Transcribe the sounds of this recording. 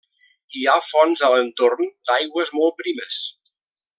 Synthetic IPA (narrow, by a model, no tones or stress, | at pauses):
iafɔnzələnt̪ornd̪ajɣwəzmɔl̚ˠpɾiməs